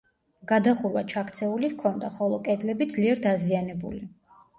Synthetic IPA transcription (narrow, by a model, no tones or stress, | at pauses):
ɡ̥ad̪aχuɾwat͡ʃʰakʰt̪sʰɛulivkʰɔnd̪aχɔlˠɔkʼɛd̪lɛbid̪zliɛɾd̪azianɛbṵli